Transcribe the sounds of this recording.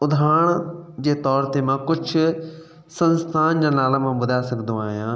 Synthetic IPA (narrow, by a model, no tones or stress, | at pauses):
ʊd̪ʱaːɳ̃d͡ʑeːt̪ɔːɾt̪emãːkʊd͡ʒʰ | sə̃nst̪ʰaːnd͡ʑãːnaːlãmãːbʊd̪ʱaːsəkʰd̪õːaːɦjãː